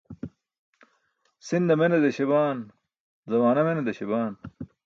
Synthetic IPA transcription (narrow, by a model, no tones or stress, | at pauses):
sind̪ɐmenɐd̪eɕeβaːn | zɐmaːnɐmenɐd̪ɐɕebaːn